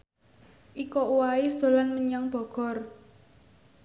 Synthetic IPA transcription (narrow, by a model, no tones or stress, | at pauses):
ʔikɔuwaisd̪̥o̤lanməɲaŋb̥ɔ̤ɡ̥ɔ̤r